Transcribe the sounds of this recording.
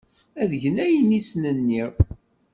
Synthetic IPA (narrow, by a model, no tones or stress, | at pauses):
æðəʝənæjənisnənːiʁ